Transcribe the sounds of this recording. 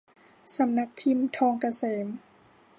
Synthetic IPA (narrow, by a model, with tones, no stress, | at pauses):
sa˨˦mna˧k̚pʰi˧˥˨mt̪ʰɔː˧ŋka˧seː˩˦m